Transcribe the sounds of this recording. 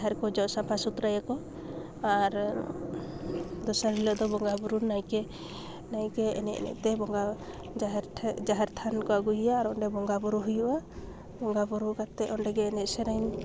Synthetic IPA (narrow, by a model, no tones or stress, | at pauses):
ɦɛɾkɔd͡ʒɔʔsapʰasut̪ɾajakɔ | aɾ | d̪ɔsaɾɾilɔʔd̪ɔbɔŋɡabuɾunajkɛ | najkɛɛ̰nɛʔnɛ̰ʔt̪ɛbɔŋɡa | ɾʰd͡ʒaɦɛɾt̪ʰankɔaɡuɦijaːɾɔnɖɛbɔŋɡabuɾuɦujuʔa | bɔŋɡabuɾukat̪ɛʔɔɳɖɛɡɛːnɛt̪̚sɛɾaɲ